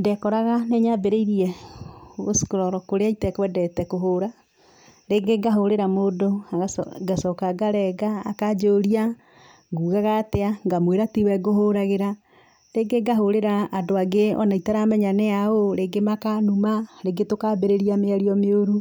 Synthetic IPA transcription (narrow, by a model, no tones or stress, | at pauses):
ndɛkɔɾaɣaneɲabeɾeiɾiɛ | ɣoskoɾɔɾɔkoɾeaitɛkwɛdɛtɛkoɦoɾa | ɾeɡeɡaɦoɾeɾamodoaɣaɡasɔkaɡaɾɛɡa̰ːkad͡ʒoːɾia | ŋɡuːɣaɣateaŋɡamweɾatiwɛɡoɦoɾaɣeɾa | ɾeɡeɡaɦoɾeɾaːdoaɡeɔ̰naitaɾamɛɲanɛaoɾeɡemakanumaɾeɡetokabeɾeɾiameaɾiɔmeoɾu